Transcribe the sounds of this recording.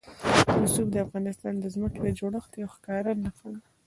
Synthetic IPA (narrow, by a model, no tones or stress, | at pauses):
nʊsubd̪əafɣɑnɪst̪ɑnd̪əzməkelad͡ʒoɽəxt̪iawxkɑɾanaxan